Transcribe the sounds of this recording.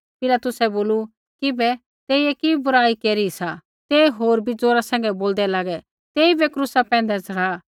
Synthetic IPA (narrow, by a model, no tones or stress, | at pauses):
pɪlaːt̪ʊsɛboːlu | kɪbɛ | t̪eːiɛkibʊɾaːikeːɾisa | t̪eɦoːɾbʱid͡zoːɾasɛ̃ːŋɡɛboːld̪ɛlaːɡɛ | t̪eːibɛkɾʊsapɛ̃ːnd̪ɛt͡sʰɐɽ̤aː